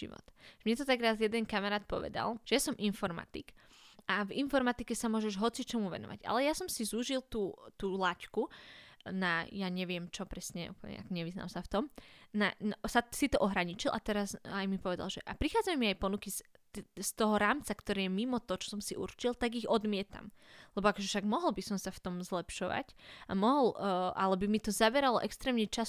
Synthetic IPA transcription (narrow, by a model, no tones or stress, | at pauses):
ḭʋɔ̰t̪mɲɛt̪ɔt̪aɡɾazjɛd̪ɛnkamaɾaːt̪̚pɔ̰ʋɛ̰d̪a̰lʒ̥ɛjasɔmʔinfɔɾma̰t̪ḭk | avinfɔɾmat̪ikɛsamʊɔʒɛʒɦɔt͡sit͡ʃɔmuʋɛ̰nɔ̰ʋa̰ɟa̰lɛjasɔmsizuʒilˠt̪uːt̪uːlacku | najaɲɛʋɪɛmt͡ʃɔpɾɛsɲɛṵpl̩ɲɛ̰a̰kɔɲɛʋizna̰msaft̪ɔmnansasit̪ɔʔɔɦɾaɲit͡ʃilˠʔa̰t̪ɛɾazajmipɔʋɛd̪a̰lʒɛʔapɾixaːd͡zamɛmiajpɔnuki | st̪ɔɦɔɾaːmt͡sakt̪ɔɾɛːjɛmimɔt̪ɔt͡ʃɔ̥sɔmsiʔṵɾt͡ʃilt̪aɡiɣɔd̪mɪɛt̪a̰mlɛbɔakɔʒɛfʃaɡmɔɦɔlbisɔmsaft̪ɔmzlɛpʃɔʋa̰camɔɦɔlʔa̰lɛbimit̪ɔzaʋɛɾalɔʔɛkst̪ɾɛːmɲɛt͡ʃas